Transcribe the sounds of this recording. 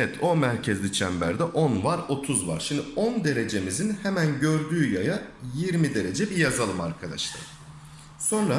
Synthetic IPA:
ɛt̪ʰo̞mæɾcʰɛzlʲit͡ʃʰæmbæ̰ɾd̪ɛʔo̞nvaɾo̞t̪ʰuzva̰ɾ̥ʃimd̪io̞nd̪e̞ɾe̞d͡ʒe̞mizinhemænɟø̞ɾd̪yːjajajiɾmid̪e̞ɾe̞d͡ʒɛbijazalˠɯmaɾkʰad̪a̰ʃlˠa̰ɾ | so̞nɾa

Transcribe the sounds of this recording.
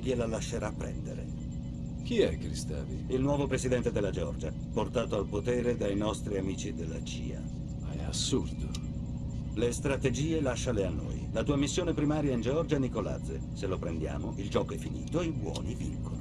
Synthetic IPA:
kjelalaʃːeɾapːɾɛ̰nd̪ḛɾḛ | kiɛkːɾist̪a̰ːvḭilnwɔːvopɾesid̪ɛnt̪ed̪elːad͡ʒeɔrd͡ʒaɛport̪aːt̪oalpot̪eːɾed̪ajnɔst̪ɾiamiːt͡ʃid̪elːat͡ʃḭːa̰ | maɛ̰a̰sːurd̪o | lest̪ɾat̪ed͡ʒiːelaʃːaleanːo̰ːjlat̪uːamisːjoːnepɾimaːɾjaind͡ʒeɔrd͡ʒanikola̰d̪zḛ | selːopɾend̪ja̰ːmoʔild͡ʒɔːkoɛfːinḭːt̪oeibwɔ̰ːnivḭŋkono

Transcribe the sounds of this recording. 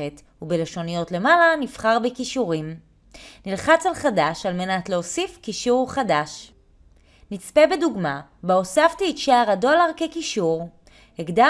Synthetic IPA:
et | ubeleʃo̞nijo̞tle̞malanifχaʁbekiʃuʁim | nilχat͡salχadaʃalme̞natleosifkiʃuʁχadaʃ | nit͡spebeduɡmabeosaftiːtʃeaʁado̞laʁkekiʃuʁ | heɡda

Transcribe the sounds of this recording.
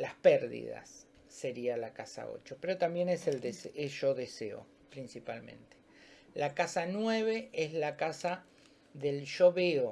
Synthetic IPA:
laspɛɾðḭða̰sː | e̞ɾialakasa̰o̞̰t͡ʃo̞peɾo̞t̪ambje̞neseld̪eseesʒoðeseo̰ | pɾinsipalmẽ̞̰nt̪e̥ | lakasanwe̞βe̞ezlakasa | ðelʃoβeo

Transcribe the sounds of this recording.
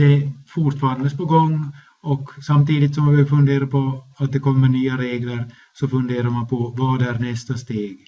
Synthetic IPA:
d̪̥ɛfʊʈfɑːɾand̪əspɔɡɔŋː | ɔksamt̪iːd̪ɪt̪sɔmabɛfɵnd̪eːɾaɾpʰɔat̪̚d̪ɛkʰɔmːənyːaɾeːɡləɾ | sɔfɵnd̪eːɾaɾmanpʰɔvaːɖæɾɳɛst̪ast̪eːɡ

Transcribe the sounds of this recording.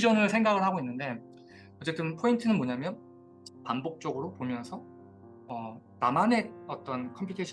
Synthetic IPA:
d͡ʑʌnɯɭsʰe̞ŋɡaɡɯɭhaɡoinːɯnde̞ | ʌt͡ɕ͈e̞t͈ɯnpʰointʰɯnɯnmoɲamjʌn | panbok̚t͡ɕ͈ʌɡɯɾopomjʌnsʰʌ | ʌ | namane̞ʌt͈ʌnkʰʌmpʰitʰeɕʰ

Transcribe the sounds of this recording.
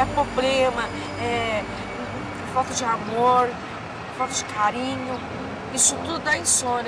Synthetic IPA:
ɛpɾoblemɐ | ɛ | fawt̪ɐd͡ʒɪamoɾ | fawt̪ɐd͡ʒɪkʰaɾĩɲʊ | isuũd̪ud̪aj̃sõn

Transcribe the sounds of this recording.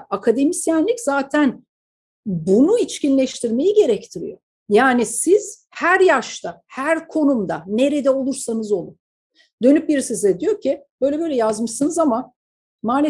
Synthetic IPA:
akʰad̪e̞misjænlʲiczaːt̪ʰæn | bunuit͡ʃcinlʲɛʃt̪ʰiɾme̞jiɟe̞ɾɛct̪ʰiɾḭjo̞ | jaːnisiz̥ | hæɾjaʃt̪ʰahæɾkʰo̞numd̪ane̞ɾed̪ɛo̞lˠuɾsanɯzo̞lˠu | d̪ø̞nyp̚biɾisizɛd̪ijo̞cʰib̥øjlʲɛbølʲɛjazmɯʃsɯnɯzama | maːne

